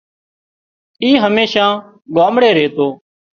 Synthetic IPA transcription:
iːɦəmeːʃãː | ɠaːmɽeːɾeːt̪oː

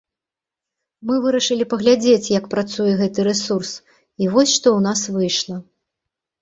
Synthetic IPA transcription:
mɨvɨɾɐʂɨlʲipɐɣlʲad͡zʲet͡sʲjɐkpɾat̪sujɛɣɛt̪ɨɾɛsurs | ivɔsʲʂt̪ɔwnasvɨjʂlˠɐ

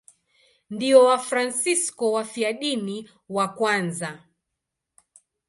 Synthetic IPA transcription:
ndiɔwafɾansiskɔwafiaɗini | wakwanza

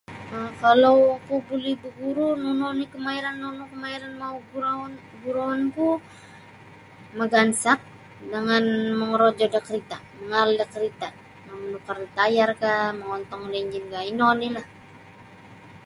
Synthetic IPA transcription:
əkalowkubulihbəɡuɾununɔnikəmaiɾanːonukəmaiɾanmauɡuɾan | ɡuɾawanku | məɡansak̚ | dəŋanməŋəɾod͡ʒɔdakəɾit̪aməŋaldakəɾit̪a | mamənukarit̪ajarkaməŋɔnt̪ɔŋlɛɲd͡ʒinɡainɔnilah

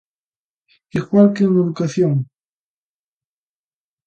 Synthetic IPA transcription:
iɣwalkeuŋeðukaθjoŋ

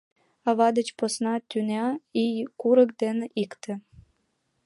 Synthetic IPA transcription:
ɑβɑd̪ət͡ɕposnɑt̪ynɑijkuɾəkd̪eneʔikt̪ĕ

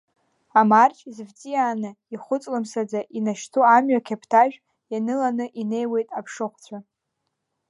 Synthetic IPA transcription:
amart͡ʃʼzvt͡sʼijaːnɨ | iχʷʊt͡sʼlɨmsad͡zaʔinaʃtʰuamɥakʲʰapʰtʰaʒᶣ | janɨlanɨʔine̞jwe̞jtʼapʰʂɨχʷt͡ɕʷʰa

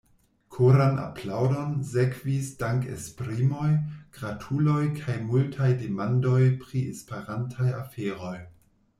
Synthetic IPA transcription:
kʰoɾanʔa̰plawdo̞nzekv̥isdaŋkḛspɾimo̞jɡ̥ɾatʰulo̞jkʰajmultʰajdemando̞jpɾiespeɾantʰajafeɾo̞j

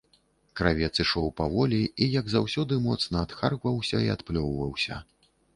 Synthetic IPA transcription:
kɾavʲɛt̪sɨʂɔwpavɔlʲiijɐɡzawsʲɔd̪ɨmɔt̪snɐːt̪xarɣvɐwsʲɐia̰t̪plʲɔwvɐwsʲɐ̰

